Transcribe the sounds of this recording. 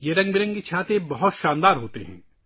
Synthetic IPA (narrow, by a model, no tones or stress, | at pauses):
jeɾɐ̃ŋɡbɪɾɐ̃ŋket͡ʃʰaːt̪ebɐɦʊt̪ʃãːnd̪aːɾɦoːt̪ḛɦɛ̰̃ː